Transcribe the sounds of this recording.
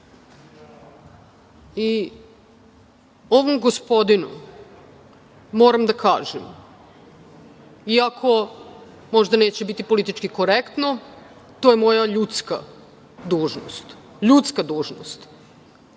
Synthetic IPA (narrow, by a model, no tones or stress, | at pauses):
i | o̞ʋomɡospo̞d̪inṵ | moːɾamd̪akʰa̰ːʒem | iakʰo̞ | mo̞ʒd̪ane̞ːt͡ɕebit̪ipo̞lit̪it͡ʃkikoɾekt̪no | t̪o̞ːjemo̞jaʎut̪ska̰ | d̪uːʒno̰st̪ | ʎut̪skad̪uːʒno̰st̪